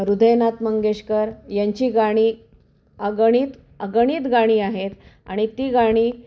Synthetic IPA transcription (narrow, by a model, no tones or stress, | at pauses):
ɾud̪ʱəjnat̪məŋɡeɕkəɾjaɲt͡ɕiːɡaɽ̃iː | əɡəɽ̃iːt̪ | əɡəɽ̃iːt̪ɡaɽ̃iːaɦet̪a̰ɽ̃it̪iːɡaɽ̃iː